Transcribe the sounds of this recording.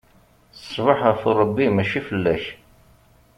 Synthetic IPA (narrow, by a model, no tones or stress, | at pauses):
θəsˤːvəħəforˤəbːimæʃifəlːæç